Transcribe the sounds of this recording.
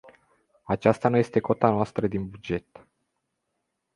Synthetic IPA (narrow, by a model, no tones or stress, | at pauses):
at͡ʃast̪anuje̞st̪e̞ko̞t̪anoast̪ɾəd̪inbud͡ʒe̞t̪